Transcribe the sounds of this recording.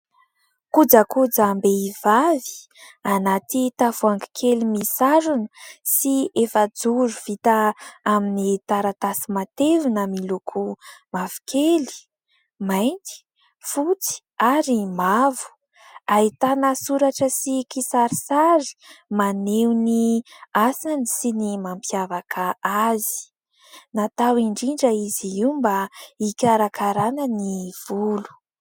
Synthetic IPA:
kud͡zakud͡zambeivavi̥ | anat̪it̪avuaŋɡi̥kʰelimisaɾunəsiefəd͡zuɾuv̥it̪aaminit̪aɾat̪asimat̪evunamilukʰumavu̥kʰeli̥ | majnt̪i̥ | fut͡si̥ | aɾimavu̥ | ait̪anəsuɾaʈ͡ʂəsikisaɾisazi̥manewniasanisinimampjavakʰaazi̥ | nat̪awiɳɖ͡ʐiɳɖ͡ʐəiziimbaikʲaɾakʰaɾanəniv̥ulu̥

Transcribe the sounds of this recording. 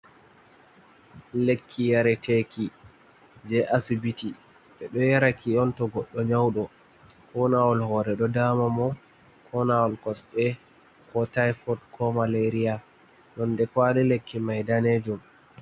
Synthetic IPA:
lekʰːijaɾɛtʰeki | d͡ʒɛʔasibiti | ɓɛɗɔjaɾakiɔntɔɡɔɗːɔɲawɗɔ | kʰɔnawɔlhɔːɾɛɗɔdamamɔ | kʰɔnawɔlkɔsɗɛ | kɔtajfɔdkʰɔmaleɾia | ɗɔndɛkwalilekːimajdaned͡ʒum

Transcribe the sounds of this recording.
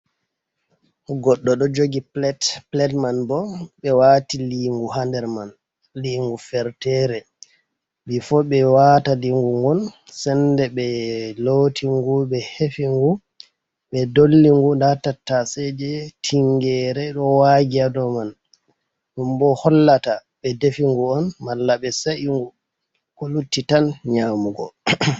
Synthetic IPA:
ɡɔɗːɔɗɔd͡ʒoɡiplɛtplɛtmanbɔɓɛwatiliŋɡuɦandɛɾman | liːŋɡufɛɾtɛɾɛ | bifɔɓɛwataliŋɡuŋɡɔn | sɛndɛɓɛlotʰiŋɡubɛhefiŋɡu | ɓɛdolːiŋɡundatatːasɛd͡ʒɛtʰiŋɡɛɾɛɗɔwaɡiadɔman | ɗumbɔhɔlːataɓɛdefiŋɡuɔnmalːaɓɛsaʔiŋɡu | kɔlutːitanɲaːmuɡɔ

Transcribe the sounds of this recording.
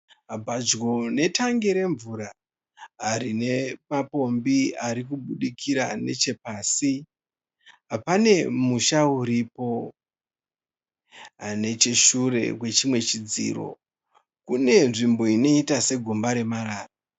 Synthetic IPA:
ɦabʱad͡ʒɡo̞ne̞tʰaŋɡeɾe̞ɱvuɾaː | rine̞mapo̞mbiaɾik̬uɓuɗikʰiɾa̰ne̞̰t͡ʃe̞paːsi | ɦapane̞muʃauɾipo̞ | ane̞t͡ʃeʃure̞̰kwe̞t͡ʃimwe̞t͡ʃid͡zḭːro̞̰ | kune̞nʐimbo̞ino̞itase̞ɡʱumbaɾe̞maɾaːra

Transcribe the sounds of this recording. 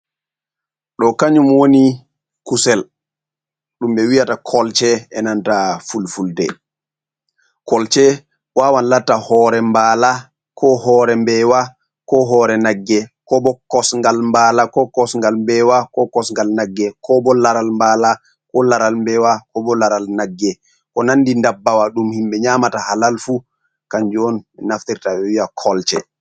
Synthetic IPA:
ɗɔkaɲumwoni | kusɛl | ɗumɓɛwijatakʰɔlt͡ʃɛɛnantafulfuldɛ | kɔlt͡ʃɛ | wawanlatːahɔɾɛmbaːla | kʰɔhɔːɾɛmbɛwa | kɔɦɔɾɛnaɡːɛkɔbɔkɔsŋɡalmbalakɔkɔsŋɡalmbɛwakɔkɔsŋɡalnaɡːɛkʰɔbɔlaɾalmbala | kɔlaɾalmbɛwakɔbɔlaɾalnaɡːɛ | kɔnanːdindabːawaɗumhimɓɛɲamatahalalfu | kaɲd͡ʒɔnɛnaftiɾtaɓɛwiakʰɔlt͡ʃɛ

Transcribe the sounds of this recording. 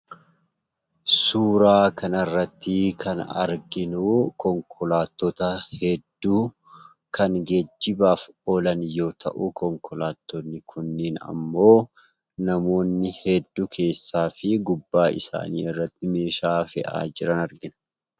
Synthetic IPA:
suːɾaːkɐnɐrːɐt̪ːɪkʰɐnɐ̰ɾɡɪnuːkɔŋkʰɔlaːt̪ːɔt̪ɐhɛd̪ːuː | kʰɐnɡɛd͡ʒːɪbaːfoːlɐnjo̞ːt̪ʰɐʔukɔŋkʰɔlaːt̪ːonːɪkʰʊnːɪːnɐ̰mːo̞ː | nɐmo̞ːnːɪhɛd̪ːuːkʰe̞ːsːaːfɪɡʊbːaːɪ̰sa̰ːnḭːɪrːɐt̪ːɪme̞ːʃaːfɛʔa̰ːd͡ʒɪɾɐnɐɾɡɪnɐ̥

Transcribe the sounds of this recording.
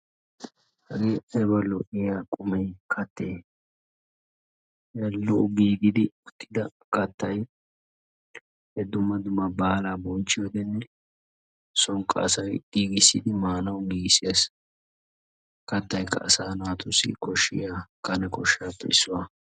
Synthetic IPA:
hɐɡeːʔɐbɐlɔʔɪjakʼʊmɛjkʰɐt̪ːeː | ɛlːɔʊɡiːɡɪd̪ɪʊt̪ʰːɪd̪ɐkɐt̪ːɐj | hɛd̪ːʊmːɐd̪ʊmɐbaːlaːbɔnt͡ʃːɪjod̪ɛnːɛ | sɔŋkʼːɐ̰ɐsɐjɡ̥iːɡɪsːɪ̰d̪ɪmaːnɐwɡiːɡsɪjɐs | kɐt̪ːɐjkːɐ̰ːsaːnʊwaːt̪ʊsːɪ̰kɔʃːɪ̰jaːkɐnɛkɔʃːɪjaːpːɛ̰ɪsːʊwaː

